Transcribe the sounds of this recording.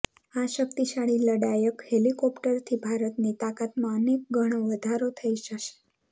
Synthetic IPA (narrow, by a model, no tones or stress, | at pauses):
aʃəkt̪iʃaɭiləɽajəkhelikɔpʈəɾt̪ʰibʱaɾət̪nit̪akat̪mãənek̚ɡʱəɽ̃oʋəd̪ʱaɾot̪ʰəiʃəʃe̥